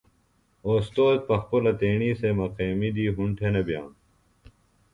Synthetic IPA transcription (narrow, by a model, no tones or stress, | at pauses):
oːst̪oːd̪̚pɐxpolɐt̪eːɳiːsemɐqeːmid̪iːɦuɳʈʰenebja̰ːn